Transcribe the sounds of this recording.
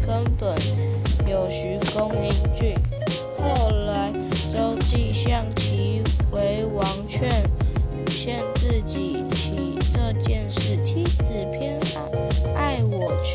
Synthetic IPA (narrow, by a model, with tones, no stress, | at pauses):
kə˥npə˨˩˦nmjo˨˩ʊɕy˧˥ko˥ŋli˧˥ŋt͡ɕy˥˩ | xo˥˩ʊla˧˥ɪʈ͡ʂo˥ʊt͡ɕi˥˧ɕjɑ˥˧˩ŋt͡ɕʰi˧˥we˧˥ɪwɑ˧˥ŋt͡ɕʰɥɛ˥˧n | ɕjɛ˥˧nt͡sɹ̩˥˧t͡ɕi˨˩ | t͡ɕʰi˧˥ʈ͡ʂɤ˥˧t͡ɕjɛ˥˧nʂɻ̩˥˩t͡ɕʰi˥t͡sɹ̩˨˩pʰjɛ˥˧nxa̰˨˩˦ŋa˥˩ɪwɔ˨˩